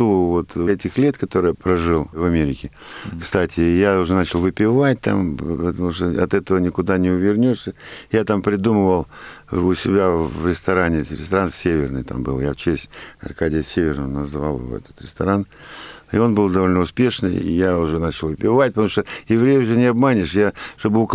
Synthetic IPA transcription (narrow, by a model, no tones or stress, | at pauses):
uvo̞t̪ɛtʲɪxlʲe̞t̪kɐt̪o̞ɾɨjəpɾɐʐɨlˠvɐmʲeɾʲɪkʲɪ | kst̪atʲɪjaʊʐɛnat͡ɕɪlˠvɨpʲɪvat̚ʲt̪a̰mpət̪ɐmuʂt̪oɐ̰t̪ɛt̪əvənʲɪkʊd̪anʲɪʊvʲɪrnʲoʂsʲəjat̪ampɾʲɪd̪uməvəlˠʊsʲɪbʲavɾʲɪst̪ɐɾanʲɪɾʲɪst̪ɐɾansʲevʲɪrnɨjt̪a̰mbɨ̰lˠjaft͡ɕesʲtʲɐ̰rkadʲɪjəsʲevʲɪrnəvnɐzva̰lˠɨ̰vo̰ɛ̰t̪ə̥t̪ɾʲɪst̪ɐɾanɪo̞nbɨlˠd̪ɐvo̞lʲnəʊspʲe̞ʂnɨ̰jaʊʐɛnat͡ɕɪlˠvɨpʲɪvat̚ʲpət̪ɐmuʂt̪ojɪvɾʲejəʊʐɛnʲɪɐbmanʲɪʂjaʂt̪o̞bɨʊk